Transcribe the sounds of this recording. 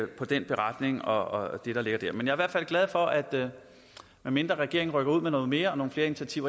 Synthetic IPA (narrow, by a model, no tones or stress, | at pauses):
pʰɒ̽d̥enb̥e̝ʁɑd̥ne̝ŋɒ̽d̥e̝ɾ̥ɑ̈le̝ɡ̥ɐd̥æɐ̰menjɑ̈ɐʋæɐ̰̥fælɡ̥lɛð̞̩ˠfɒ̽ʔæd̥ | meme̝nd̥ʁɐʁɛɡ̥e̝ɐeŋʁœɡ̥ɐuð̞̰ˠmenɔ̽ːð̩ˠme̝ːɐɒno̝ːn̩fle̝ːɐinit͡sʰɕʰæt͡sʰiʊ̰ɐ